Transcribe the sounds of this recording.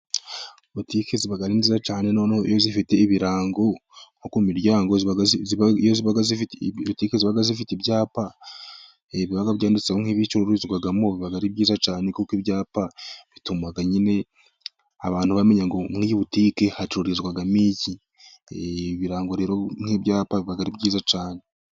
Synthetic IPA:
βutiːke̞ziβaɡaɾiːnziːzat͡ʃaːne̞nanaḭjo̞zifite̞iβiɾaːŋɡo̞ŋ̥okumiɾjaːŋɡozβaɡijoziβaɡazfitβutiːkeziβaɡazifitibjaːpa | eβiβaɡaβɟaːndit͡saoŋ̥iβit͡ʃuɾoɾizɡwaɡamo̞βiβaɡaɾibɟiːzat͡ʃaːnekukibjaːpaβitumaɡaɲine̞ | a̰βaːnhuβame̞ɲaŋɡo̞ŋiiβutiːke̞hat͡ʃiɾoɾizɡwaɡamici | βiɾaːŋɡo̞ɾe̞ːɾo̞ŋ̥hibɟaːpaβiβaɡaɾibɟiːzat͡ʃaːne̞

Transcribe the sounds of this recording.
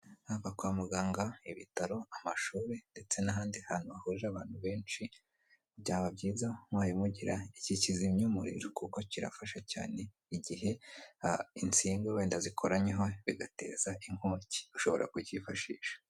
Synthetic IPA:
havakwaːmuɡaːŋɡaiβitaɾo̞amaʃuːɾe̞nde̞t͡se̞naɦaːndihan̥uahuɾiɾaβaːn̥huβe̞ːnt͡ʃi | bɟaːβabɟiːzamwaːjimuɟiɾaicicizimɲumuɾḭɾokuko̞ciɾa̰faʃaca̰ːne̞ | iɟiɦe̞ | int͡siːŋɡoβeːndazikʰo̞ɾaɲeɦo̞βiɡate̞̰ːzaiŋ̥hoːci̥uʃo̞βo̞̰ɾa̰kuɟifaʃḭːʃḁ

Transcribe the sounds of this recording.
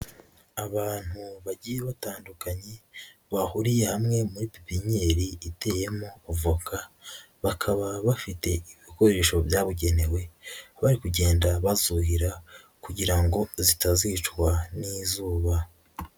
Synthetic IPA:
aβaːn̥huβaɟijeβataːndukaɲe̞βahuɾije̞hamŋe̞muɾipi̥piɲe̞ɾiːte̞ːjemo̞uvukʰa | βakʰaβaβafite̞iβiko̞ɾe̞ːʃo̞bjaːβuɟe̞ne̞we̞βaɾikuɟe̞ːndaβazuɦiɾa | kuɟiɾaŋɡo̞zitazit͡ʃkwanizuːβa

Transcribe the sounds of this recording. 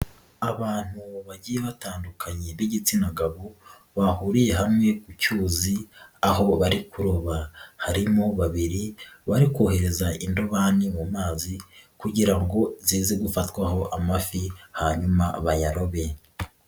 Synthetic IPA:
aβaːn̥huβaɟiːjeβataːndukʰaɲeβiɟit͡sinaɡaβo | βahuɾije̞ɦamŋe̞kucuːziaho̞βaɾikuɾoβahaɾimoβaβiɾiβaɾikwohe̞ɾe̞zaʔindoβanimumaːzikuɟiɾaŋɡo̞ziːze̞ɡufatkwaho̞ʔamafihaɲumaβajaɾo̞βe̞

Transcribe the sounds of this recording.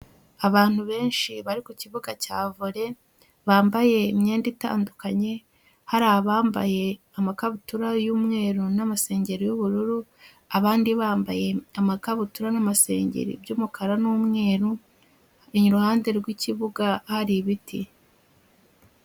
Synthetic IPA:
aβaːn̥huβe̞ːnʃiβaɾikuciβuɡacaːvuɾe̞ | βaːmbaje̞mɲeːndita̰ːndukaɲe̞ | haɾaːβaːmba̰je̞ | amakaβutuɾajuːmŋe̞ːɾunamase̞ːɲɟe̞ɾojuβuɾuɾu | aβaːndiβaːmbaje̞amakaβutuɾanamase̞̰ːɲɟḛɾḭbjuːmukʰaɾanuːmŋe̞ːɾu | iɲiɾuhaːnde̞ɾɡwiciβuɡahaɾiβitʰḭ

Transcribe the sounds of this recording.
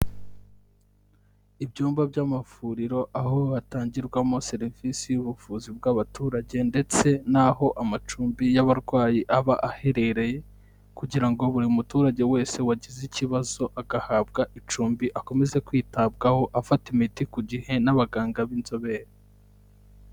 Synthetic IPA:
ibɟuːmbabɟamafuːɾiɾo̞ʔaɦo̞ataːɲɟiɾɡwamo̞se̞ɾivisijuβufuːzibɡaβatuːɾaɟe̞nde̞t͡se̞naɦo̞ʔamat͡ʃuːmbijaβaɾɡwaːjiʔaβaʔahe̞ɾe̞ɾe̞je̞ | kuɟiɾaŋɡo̞βuɾimutuːɾaɟe̞we̞ːse̞waɟiziciβazo̞ʔaɡahaːb̚ɡaʔit͡ʃuːmbiʔako̞me̞ze̞kwiːtabɡaho̞ʔafatimitikuɟihe̞naβaɡaːŋɡaβinzo̞βe̞ɾa

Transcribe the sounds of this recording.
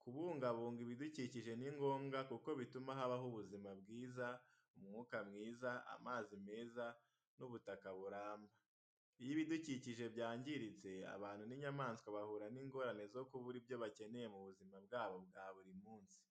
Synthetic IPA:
kuβuːŋɡaβuːŋɡiβiduciciʒe̞niŋɡo̞ːmɡakuko̞βitumaɦaβaɦuβuzimabɡiːza | umuŋuːkamŋiːzaa̰maːzime̞ːza | nuβutakaβuɾaːmba | ijiβiduciciʒe̞bjaːɲɟiɾit͡se̞a̰βaːn̥huniɲamaːnskwaβahuɾaniːŋɡo̞ɾane̞zo̞kuβuɾibjo̞βacene̞je̞muβuzimabɡaːβo̞bɡaːβuɾimuːnsi̥

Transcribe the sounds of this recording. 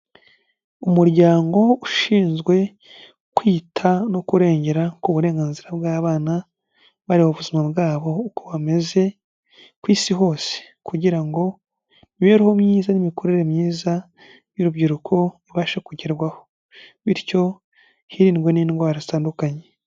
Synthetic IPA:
umuɾɟaːŋɡo̞uʃiːnzɡwe̞ | kwiːtʰano̞kuɾe̞ːɲɟe̞ɾakuβuɾe̞ːŋɡaːnziɾabɡaːβaːna | βaɾihoβuzimabɡaːβo̞koβame̞ze̞ | kwiːsiɦo̞ːse̥kuɟiɾaŋɡo̞ | niweɾihomɲiːzanimiko̞ɾeɾemɲiːza | juɾubɟiɾukʰo̞iβaːʃekuɟeɾɡwaho̞ | βiɾco̞ | hiɾiːnɡwe̞niːnɡwaːɾazitaːndukaɲe

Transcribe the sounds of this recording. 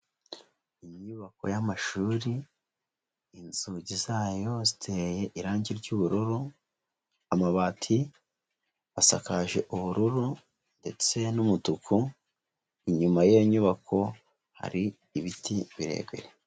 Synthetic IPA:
iɲuβako̞̰jamaʃuːɾi | nzuɟizaːjo̞zi̥tʰe̞je̞ʔiɾaːɲɟiɾɟuːβuɾuɾu | amaβaːtʰi | βasakaʒe̞ʔuβuɾuɾu | nde̞t͡se̞numutukʰu | iɲumajeɲuβakʰo̞ | ha̰ɾi | iβitiβiɾe̞̰ːɡweɾe

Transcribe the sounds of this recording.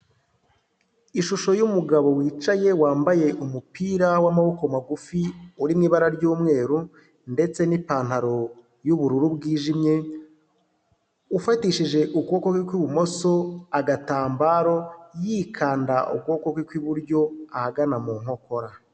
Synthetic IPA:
iʃuʃo̞jumuɡaβo̞wiːt͡ʃaje̞waːmbaje̞ʔumupiːɾawamaβo̞ko̞maɡufiuɾimŋiːβaɾaɾɟuːmŋe̞ːɾu | nde̞t͡se̞nipaːn̥haɾo̞ | juβuɾuɾubɡiːʒimɲe̞ | ufatiʃiʒe̞ʔukwoːkokikwiβumo̞so̞aɡataːmbaːɾo̞jikʰaːndaʔṵkwo̞kokwikwiβuɾɟo̞ahaɡanamuːŋ̥o̞ko̞ɾa

